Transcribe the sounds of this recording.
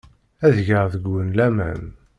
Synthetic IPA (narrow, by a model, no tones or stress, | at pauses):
æðʝəʁðəɡːənlæmæ̰n